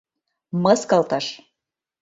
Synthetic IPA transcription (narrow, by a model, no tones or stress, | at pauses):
mɤskɑlt̪ɑʃ